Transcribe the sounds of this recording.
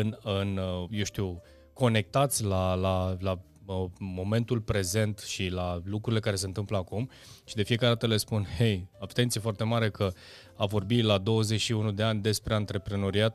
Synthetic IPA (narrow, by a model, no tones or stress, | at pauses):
ɨnɨnjewʃt̪iw | ko̞ne̞k̚t̪at̪sʲlalala | mo̞me̞nt̪ulpɾe̞ze̞nt̪ʃilalukɾuɾile̞kaɾe̞sent̪ɨmpləakum | ʃid̪e̞fije̞kaɾed̪at̪əle̞spunhe̞jabt̪ent̪siefoart̪e̞maɾe̞kʰə | avo̞rbilad̪o̞wəzet͡ʃʃiunud̪e̞anʲd̪e̞spɾe̞ant̪ɾe̞pɾeno̞ɾiat̪̚